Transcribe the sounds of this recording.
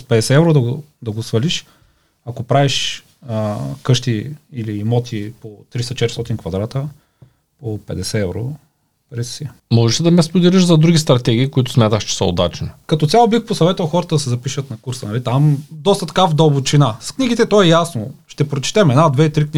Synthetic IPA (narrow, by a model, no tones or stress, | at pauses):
spɛd̪ɛsɛɛvɾod̪ɐɡod̪ɐɡosvɐliʃ | ɐkopɾaviʃ | kɤʃt̪iilimɔt̪ʰipot̪ɾist̪ɐt͡ʃɛt̪ɾist̪ɔt̪inkvɐd̪ɾat̪ə | popɛd̪ɛsɛɛvɾo̰ | pɾɛsi | mɔʒɛʃid̪ɐmɛspod̪ɛliʃzɐd̪ɾuɡ̟ʲist̪ɾɐt̪ɛɡʲiːkoit̪ʊ̥smʲjat̪əʃt͡ʃɛ̥səo̰d̪at͡ʃnikɐt̪ɔt̪ʲjalˠobixposɐvɛt̪əlˠxɔɾət̪əd̪ɐsɛzɐpiʃət̪nɐkuɾsənɐlit̪amd̪ɔst̪ət̪ɐ̥kavd̪obot͡ʃinaskniɡʲit̪ɛt̪ɔɛjasnoʃt̪ɛpɾot͡ʃɛ̥t̪ɛmɛd̪nad̪vɛit̪ɾikni